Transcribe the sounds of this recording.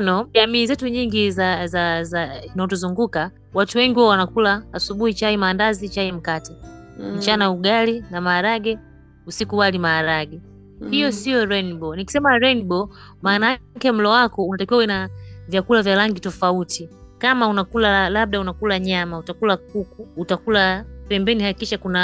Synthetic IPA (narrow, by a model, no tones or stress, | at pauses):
nɔʄamiːzɛtuɲiŋɡizazazinaɔtɔzuŋɡuka | watuwɛŋɡiwaɔwanakulaːsuɓuhit͡ʃaimaːndazit͡ʃaim̩katɛ | m̩t͡ʃanauɡalinamaːɾaɡɛ | usikuwalimaːɾaɡɛ | hijɔsiɔɾɛnbɔniki̥sɛmaɾɛnbɔ | maːnakɛm̩lɔwakɔunatakiwawɛnavjakulavjalaŋɡitɔfautʰi | kamaunakulalaɓ̚ɗaunakulaɲamautakulakukuːtakulapɛmbɛnihakikiʃakuna